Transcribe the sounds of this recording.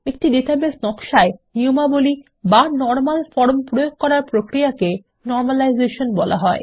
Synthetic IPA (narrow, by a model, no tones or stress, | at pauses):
ek̚ʈiɖeʈaɾbesnɔkʃaeniomaboli | banɔɾmalfɔɾmpɾojoɡ̚kɔɾaɾpɾokɾiake | nɔɾmalajzeʃonbɔlʔa̰ɦɔe